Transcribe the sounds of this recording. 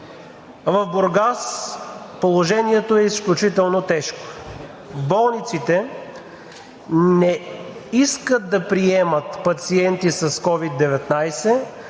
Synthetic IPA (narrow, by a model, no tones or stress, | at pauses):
vɐfboɾɡas | polˠoʒɛniɛt̪oɛisklʲut͡ʃit̪ɛlˠnot̪ɛʃko̥ | bɔlˠnit̪sit̪ɛ | nɛiskət̪̚d̪ɐpɾiɛmət̪pɐt̪siɛnt̪isɐskɔvid̪ːɛvɛt̪najsɛ